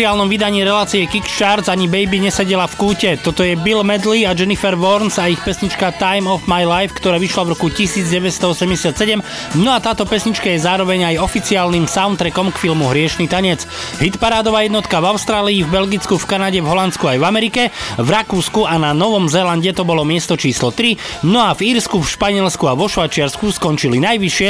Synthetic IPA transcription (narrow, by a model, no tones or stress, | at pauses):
iaːlnɔmʋid̪aɲiːɾɛlaːt͡siɛkikʃt͡ʃaɾzaɲibɛjbiɲɛsɛɟɛlafkuːcɛt̪ɔt̪ɔjɛbilmɛd̪liad͡ʒɛnifɛɾʋɔɾnzaixpɛsɲit͡ʃkat̪ajmɔfmajlajfkt̪ɔɾaːʋiʃlavɾɔkucisiːd͡zɟɛʋɛst̪ɔɔsɛmɟɛsɪat̪sɛɟɛm | nɔat̪aːt̪ɔpɛsɲit͡ʃkajɛzaːɾɔʋɛɲajɔfit͡siaːlnimsaʊnt̪ɾɛkɔmkfilmuɦɾɪɛʃnit̪aɲɛt͡s | ɦit̪paɾaːd̪ɔʋaːjɛd̪nɔt̪kavaʊst̪ɾaːliːvbɛlɡit͡skufkanaɟɛvɦɔlant͡skuajvamɛɾikɛvɾakuːskuananɔʋɔmzɛlanɟɛt̪ɔbɔlɔmɪɛst̪ɔt͡ʃiːslɔt̪ɾi | nɔaviːɾskufʃpaɲɪɛlskuaʋɔʃʋajt͡ʃɪaɾskuskɔnt͡ʃilinajʋiʃɪɛ